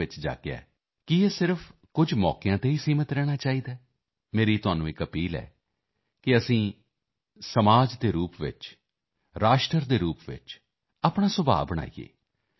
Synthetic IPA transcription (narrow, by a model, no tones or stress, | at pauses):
ɪt͡ʃd͡ʒa̰ːkea̰ː | kɪeːsɪɾfʰ | kʊd͡ʒmɔ̰ːkɪjãːt̪eːiːsiːmət̪ɾɛːɽ̃aːt͡ʃaːiːd̪aː | meːɾiːt̪ʊaːnũːɪkəpiːlɛ̰ː | kɪəsĩː | səmaːd͡ʒd̪eːɾuːpʋɪ̰t͡ʃ | ɾaːʃʈəɾd̪eːɾuːpʋɪ̰t͡ʃ | aːpɳ̃aːsʊbʱa̰ːbəɽ̃a̰ːiːḛː